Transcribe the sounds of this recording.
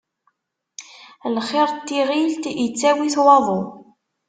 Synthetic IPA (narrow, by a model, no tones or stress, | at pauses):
lχɪɾˤt̪ːiʁilt̪ət͡sːæwiθwɑðˤo